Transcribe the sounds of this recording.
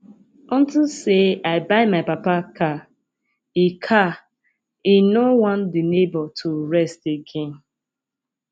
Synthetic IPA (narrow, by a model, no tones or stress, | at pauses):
ɔ̃ntiseaɪbaɪmaɪpapakʰa | ikʰa | inowɔ̃ndinebɔtʰuɹɛsteɡẽn